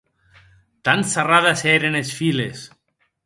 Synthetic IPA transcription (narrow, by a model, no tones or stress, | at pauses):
t̪ansaraðasɛɾenesfiles